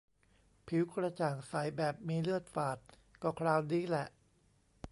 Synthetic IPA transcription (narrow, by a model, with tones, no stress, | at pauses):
pʰi˨˩˦wkɾa˧t͡ɕaː˨˩ŋsa˨˩jbɛː˨˩p̚miː˧lɯ˥˩ət̪̚faː˨˩t̪̚ | kɔː˧˩kʰɾaː˧wniː˦˥lɛ˨˩ʔ